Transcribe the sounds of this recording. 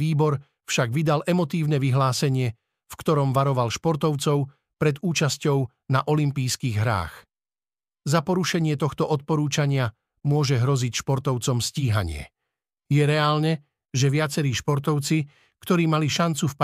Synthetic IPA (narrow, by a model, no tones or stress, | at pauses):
iːbɔɾ | fʃaɡʋid̪alʔɛmɔt̪iːʊnɛʋiɦlaːsɛɲɪɛ | fkt̪ɔɾɔmʋaɾɔʋalʃpɔɾt̪ɔʊt͡sɔʊ | pɾɛd̪uːt͡ʃascɔʊ | naʔɔlimpiːskiːɣɦɾa̰ːx | zapɔɾuʃɛɲɪɛt̪ɔxt̪ɔʔɔt̪̚pɔɾuːt͡ʃaɲɪa | mʊɔʒɛɦɾɔzicʃpɔɾt̪ɔʊt͡sɔmsciːɦa̰ɲɪɛ̰ | jɛɾɛaːlnɛ | ʒɛʋɪat͡sɛɾiːʃpɔɾt̪ɔʊt͡si | kt̪ɔɾiːmaliʃant͡sufp